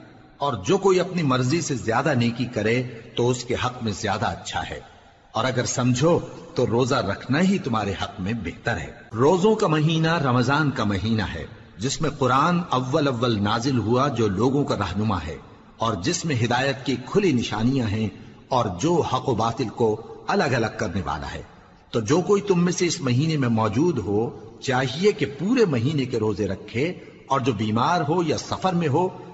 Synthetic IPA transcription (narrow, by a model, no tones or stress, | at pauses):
ɔːɾd͡ʒoːkoːiɐpnimɐɾzisezjaːd̪aneːkikɐɾet̪oʊskeɦɐqmẽzjaːd̪aɐtːʃʰa̰ɦɛ̰ː | ɔːɾɐɡəɾsɐ̃md͡ʒʱot̪oɾoːzaɾɐkʰnaɦit̪ʊmɦaːɾeɦɐqmẽbeɦt̪əɾɦɛ̰ːɾoːzõkamɐɦiːnaɾɐmzaːnkamɐɦiːna̰ɦɛ̰ː | d͡ʒɪsmẽqʊɾaːnɐʋːəlɐʋːəlnaːzɪlɦuad͡ʒoːloːɡõkaɾɐɦnʊma̰ɦɛ̰ː | ɔːɾd͡ʒɪsmẽɦɪd̪aːjət̪kikʰʊlinɪʃa̰ːnijãɦɛ̃ | ɔːɾd͡ʒoːhɐqobaːt̪ɪlkoɐləɡɐləɡ̚kɐɾneʋa̰ːla̰ɦɛ̰ː | t̪od͡ʒoːkoːit̪ʊmːẽseɪsmɐɦiːnemẽmɔːd͡ʒuːd̪ɦot͡ʃaːɦiekepuːɾemɐɦiːnekeɾoːzeɾɐkʰːe | ɔːɾd͡ʒoːbiːmaːɾɦojasɐfəɾmẽɦoː